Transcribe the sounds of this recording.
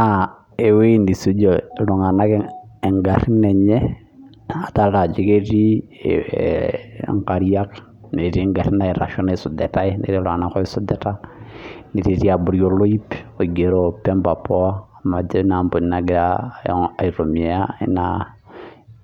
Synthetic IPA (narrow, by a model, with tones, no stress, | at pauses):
a | e˨we˦ndi˨su˦d͡ʒo˨lu˨ŋa˨na˦kɛɛ˨ŋɡa˨ɾi˦nɛ˨ɲɛ˦ | a˨ta˦ɾa˨d͡ʒi˦ke˦ɾi˦ | ŋka˨ɾia˦k | ne˨ɾi˦ŋɡa˨ɾi˦na˨i˨ɾa̰˨ʃɔ˦nasu˨dɛ˨ta˦inḛ˨ɾi˦lu˨ŋa˨na˦kɔ˦i˦su˦dɛ˦ta˦ni˨ɾiɾi˦a˨bu˨ɾjo˨lo˦i˦po˨ɡe˨ɾo˦pɛ˦mba˨pɔ˦a˦ | ma˨d͡ʒɛ˦na˨mbo˨ni˦naɡɪ˦ɾa | a˨i˨ɾo˨mi˨a˦ḭ˦na